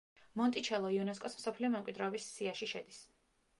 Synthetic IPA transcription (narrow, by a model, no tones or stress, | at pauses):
mɔnt̪ʼit͡ʃʰɛlˠɔiunɛskʼɔsmsɔpʰliɔmɛmkʼwid̪ɾɛɔbisːiaʃiʃɛ̰d̪is